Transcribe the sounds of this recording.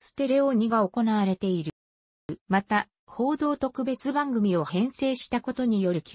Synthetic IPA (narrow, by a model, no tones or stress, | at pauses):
sɨ̥t̪e̞ɾe̞oɲ̟iɡao̞ko̞naβaɾe̞t̪e̞iɾɯ̟ | mat̪a | ho̞ːd̪o̞ːt̪o̞kɯ̟be̞t͡sɨbãŋɡɯ̟mʲio̞hẽ̞ɰ̃se̞ːɕi̥t̪ako̞t̪o̞ɲ̟ijo̞ɾɯ̟kʲ